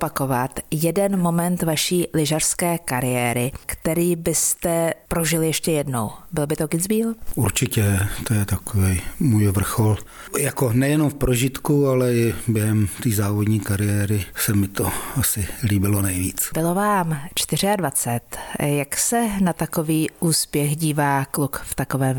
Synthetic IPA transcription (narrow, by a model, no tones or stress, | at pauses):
opako̞vat̪jɛdɛnmo̞mɛnt̪vaʃiːlɪʒar̥skɛːkaɾɪjɛːɾɪkt̪ɛɾiːbɪst̪ɛpɾoʒɪljɛʃcɛjɛdno̞̰wbɪlbɪt̪okɪd͡zbiːluɾt͡ʃɪcɛt̪ojɛt̪akovɛjmuːjvr̩xol | jakonɛjɛnomfpɾoʒɪt̪kualɛɪbjɛɦɛmt̪iːzaːvodɲiːkaɾɪjɛːɾɪsɛmɪt̪oasɪliːbɪlonɛjvḭːt͡sbɪlo̞vaːmt͡ʃt̪ɪr̝ɪadvat͡sɛt̪jaksɛnat̪ako̞viːʔuːspjɛxɟiːvaːklukft̪ako̞vɛːm